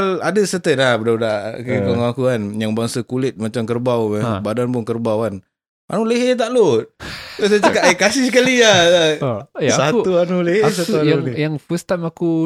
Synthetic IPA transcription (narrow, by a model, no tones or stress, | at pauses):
aladəsət̪ənlahbədadakəkɔŋakuanjaŋbaŋsakulɪt̪̚mat͡ʃamkərbawbadanpʊŋkərbawan | ʔa̰nuleɦet̪̬aʔlot̪̚osat͡ʃəkaʔekasis̬əkalia | sat̪uanuleɦes̬at̪uajajaŋfust̪amaku